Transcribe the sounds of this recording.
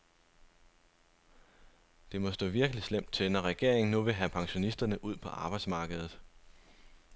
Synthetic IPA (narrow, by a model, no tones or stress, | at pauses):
d̥e̝mɒ̽sd̥ɔ̰̽ːʋiɐɡ̥əlislem̰d̥̚t͡sʰenɒʁɛɡ̥e̝̰ɐ̰eŋ̩nuʋe̝ɦæpʰɑ̈ŋɕo̝nisd̥ɐnəʔuð̞̰ˠpʰɒ̽ʔɑ̈ːb̥ɑ̈ɪd̥smɑ̈ːɡ̥əð̩ˠ